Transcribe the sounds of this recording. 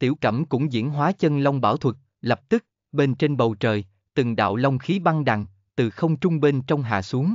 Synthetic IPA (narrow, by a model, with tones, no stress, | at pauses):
t̪i˧˩əwkə̰˧˩mkʊ̰˧˥ŋ͡mzḭ˧˥ənɦwaː˨˦t͡ɕə˧nlə˧wŋ͡mɓa̰ː˧˩wt̪ʰwə˨˩t̚ | lə˨˩p̚t̪ɨ˦˥k̚ | ɓe˧nt͡ɕe˧nɓə˨˩wt͡ɕəː˨˩j | t̪ɨ˨˩ŋɗa̰ː˧˨wlə˧wŋ͡mxi˨˦ɓa˧ŋɗa̰˨˩ŋ | t̪ɨ˨˩xə˧wŋ͡mt͡ɕʊ˧ŋ͡mɓi˧nt͡ɕɔ˧wŋ͡mɦa̰ː˧˨su˨˦əŋ